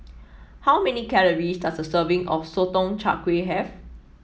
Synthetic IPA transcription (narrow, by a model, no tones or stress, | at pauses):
hawmɛnikɛɹəɹisdatsdəsəvɪ̃ŋɔfsotɔ̃ŋt͡ʃa̰kweɦɛv